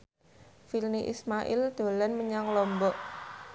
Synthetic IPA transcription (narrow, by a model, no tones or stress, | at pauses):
filniʔḭsmaʔɪ̰ld̪̥o̤lanməɲaŋlɔmbɔʔ